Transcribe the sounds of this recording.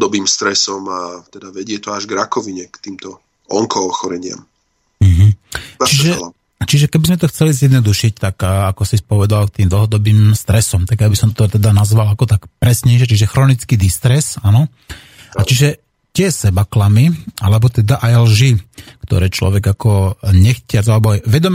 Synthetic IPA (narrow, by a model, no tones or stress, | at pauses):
d̪ɔbiːmst̪ɾɛsɔmat̪ɛd̪aʋɛɟɪɛt̪ɔaʒɡɾakɔʋiɲɛkt̪iːmt̪ɔ | ɔŋkɔːxɔɾɛɲɪa̰m | m̩ɦ̩t͡ʃiʒɛ | t͡ʃiʒɛkɛbizmɛt̪ɔxt͡sɛlizjɛd̪nɔd̪uʃic̚t̪akːakɔsispɔʋɛd̪alk̚t̪iːmd̪l̩ɦɔd̪ɔbiːmst̪ɾɛsɔmt̪aɡjabisɔmt̪ɔt̪ɛd̪anazʋalakɔt̪akpɾɛsɲɛɪʃ̬ɛt͡ʃiʒɛxɾɔnit͡skid̪ist̪ɾɛsanɔ | at͡ʃiʒɛ | t̪ɪɛsɛbaklamiʔa̰lɛbɔt̪ɛd̪aʔajlʒikt̪ɔ̰ɾɛːt͡ʃlɔ̰ʋɛɡakɔɲɛxcɪad͡zalɛbɔʋɛd̪ɔm